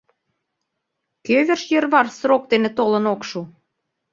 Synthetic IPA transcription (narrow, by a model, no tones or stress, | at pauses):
køβĕrʃjə̆rβɑrsrok̚t̪enĕt̪olə̆nokʃu